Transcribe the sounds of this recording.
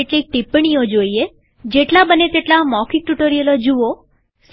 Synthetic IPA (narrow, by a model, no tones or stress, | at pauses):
eʈlik̚ʈipɳ̃ijod͡ʒoie | d͡ʒeʈlabənet̪eʈlamɔkʰik̚ʈuʈoɾijəlod͡ʒuo | s